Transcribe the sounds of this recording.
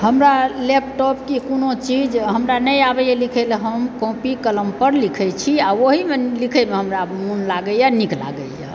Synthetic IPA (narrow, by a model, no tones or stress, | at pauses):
həmɾalepʈɔpkikonot͡ʃid͡ʒɦəmɾanəjabəjelikʰɛlɦəmkɔ̃pikələmpəɾlikʰɛt͡ʃʰiaoɦimelikʰəmeɦəmɾamunlaɡəjanikla̰ɡəja̰